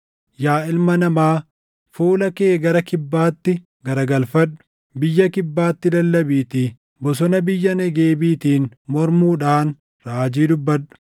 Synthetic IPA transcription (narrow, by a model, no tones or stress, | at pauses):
jaːɪlmɐnɐmaː | fuːlɐke̞ːɡɐɾɐkɪbːaːt̪ːɪ | ɡɐɾɐɡɐlfɐᶑːʊ̥ | bɪjːɐkɪbːaːt̪ːɪd̪ɐlːɐbiːt̪iː | bɔs̬ɔnɐbɪjːɐnɛɡe̞ːbiːt̪iːnmɔɾmuːᶑaːn | ɾaːd͡ʒiːd̪ʊbːɐᶑʊ̥